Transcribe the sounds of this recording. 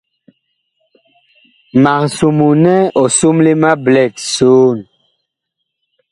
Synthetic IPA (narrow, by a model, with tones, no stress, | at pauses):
ma˨ŋsu˨mu˨nɛ˦ɔ˨su˦mle˦ma˦blɛ˦˨tsoː˦n